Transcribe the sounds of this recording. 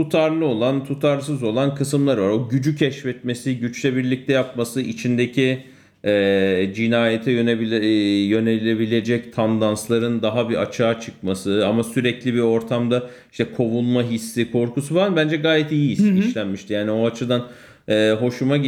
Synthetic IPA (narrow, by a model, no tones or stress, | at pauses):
t̪ut̪ʰaɾlˠɯo̞lˠant̪ʰut̪ʰaɾsɯzo̞lˠankʰɯsɯmlˠaɾvaɾo̞ɟyd͡ʒycʰɛʃfɛt̪me̞siɟyt͡ʃlʲɛbiɾlʲic̚t̪ʰɛjap̚masɯʔit͡ʃʰind̪ecʰi | ɛːd͡ʒinaːjet̪ʰɛjønbjø̞nelʲe̞bilʲe̞d͡ʒɛct̪ʰand̪anslˠaɾɯnd̪aɦabia̰t͡ʃʰaːt͡ʃʰɯk̚masɯamasyɾɛclʲibio̞ɾt̪ʰamd̪a | iʃt̪ʰɛkʰo̞vunmaɦisːikʰo̞ɾkusufaanbænd͡ʒɛɡaːjɛt̪ijiisiiʃlʲænmiʃt̪ʰijaːnio̞at͡ʃʰɯd̪an | ɛːɦo̞ʃuma